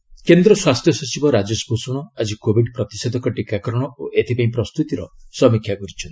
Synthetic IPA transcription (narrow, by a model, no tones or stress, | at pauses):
kend̪ɾɔswast̪ʰjɔsɔt͡ʃibɔɾad͡ʒesɔbʱosuɽ̃ɔad͡ʒikobʱiɖpɾɔt̪i̥sed̪ɔkɔʈikakɔɾɔɽ̃ɔoʔet̪ʰipaĩpɾɔst̪ut̪iɾɔsɔmikʰjakɔɾit͡ʃʰɔnt̪i